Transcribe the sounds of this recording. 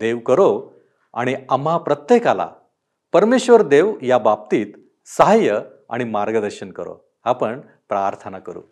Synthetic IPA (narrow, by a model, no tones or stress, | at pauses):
d̪eʋkəɾo | a̰ɽ̃iamɦapɾət̪jekala̰ | pəɾmeɕʋəɾd̪eʋjabap̚t̪iːt̪ | səɦajə | a̰ɽ̃imaɾɡəd̪əɾɕənkə̰ɾo̰ | hapəɳ | pɾaɾt̪ʰənakəɾṵː